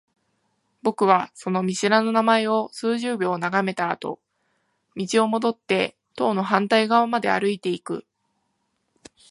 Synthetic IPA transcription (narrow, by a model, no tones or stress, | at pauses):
bo̞kɯ̟β̞aso̞no̞mʲiɕiɾano̞namae̞o̞sɨːʑɨːbʲo̞ːnaɡame̞t̪a̰ːt̪o̞̰ | mʲit͡ɕio̞mo̞d̪o̞t̪ːe̞ | t̪o̞ːno̞ɦãnt̪aiɡaβamad̪e̞a̰ɾɯ̟it̪e̞ikɯ̟̰